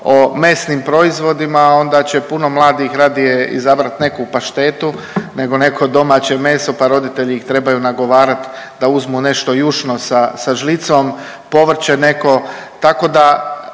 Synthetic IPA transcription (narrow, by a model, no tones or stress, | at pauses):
ome̞ːsnimpɾo̞izʋo̞d̪imao̞nd̪at͡ɕe̞puno̞mlˠaːd̪ixɾaːd̪ijeḭzabɾat̪ne̞kupaʃt̪e̞ːt̪u | ne̞ɡo̞ne̞kʰod̪o̞mat͡ɕe̞me̞ːso̞paɾo̞d̪it̪e̞ʎiixt̪ɾe̞bajunaɡo̞ʋaːɾat̪ | d̪auzmune̞ʃt̪o̞juʃnosasaʒlit̪som | po̞ʋr̩t͡ɕene̞ko̞t̪ako̞d̪a